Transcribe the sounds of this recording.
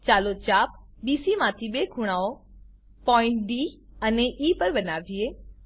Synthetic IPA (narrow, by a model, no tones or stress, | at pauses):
t͡ɕaːlot͡ɕaːpbiːsimãːt̪ʰibeːkʰʊɽ̃aːo | pɔ̃ːɪ̃ɳʈ̚ɖiːɐneʔiːpɐɾbɐnaːʋieː